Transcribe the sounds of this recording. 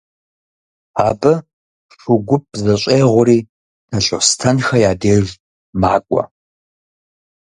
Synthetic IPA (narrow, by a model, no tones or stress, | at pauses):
aːbɐ | ʂʊɡʷʊp̚zɐɕʷʼeːʁʷʊɾiː | nʰɐɬʼostʰɐnxɐjaːdeːʒ | maːkʷʼɔɐ̰